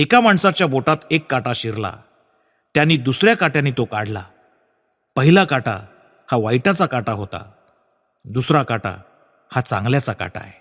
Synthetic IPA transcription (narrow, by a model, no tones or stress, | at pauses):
ekamaɳsat͡ɕjaboʈat̪ekːaʈaɕiɾla̰ | t̪janːiːd̪usɾjakaʈjãnːit̪okaɽla̰ | pəɦilakaʈa̰ | haʋajʈat͡sakaʈaɦot̪a̰ | d̪usɾakaʈa̰ | hat͡sã̰ŋɡljat͡saka̰ʈa̰e